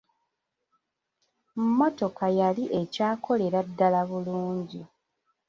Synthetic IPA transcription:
mmo̞to̞kajaliʔe̞caːkʰo̞le̞ɾadːalaβuluːɲɟi

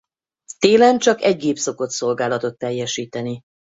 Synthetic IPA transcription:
t̪eːlɛnt͡ʃɒkɛɟ̚ɡeːpso̞ko̞t̪so̞lɡaːlɒt̪o̞t̪ːɛjːɛʃiːt̪ɛni

